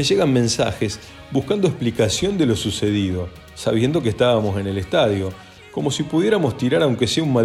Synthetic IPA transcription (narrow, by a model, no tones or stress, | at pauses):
eʒe̞ɣanmẽ̞nsa̰xes | buhkand̪o̞esplikasjo̞nd̪e̞lo̞suse̞ðið̞o̞ | saβ̞je̞nd̪o̞k̬est̪aβamo̞se̞nelest̪aðjo̞ | ko̞mo̞sipuðje̞ɾamo̞st̪iɾaɾawŋkeseunma